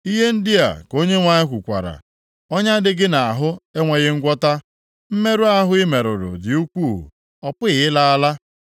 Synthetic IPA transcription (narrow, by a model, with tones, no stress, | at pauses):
i˦ɦe˦n̩˦dɪ˦a̰˨ko˦ɲe˦ŋʷa˨ɲɪ˦kʷu˨kʷa̰˨ɾa̰˨ | ɔ˦ɲa˦dɪ˦ɡɪ˦na˨a˨ɦʊ˦e˦ŋʷe˨ɣɪ˦ŋ̩˦ɡʷɔ˦ta˦ | m̩˦me˦ɾʊ˦a˦ɦʊ˦ɪ˦me˨ɾʊ˨ɾʊ̰˨dɪ˨u˦kʷu˦˨ɦṵ˨ | ɔ˨pʊ˦ɪ˨ɪ˦la˦a˦la˦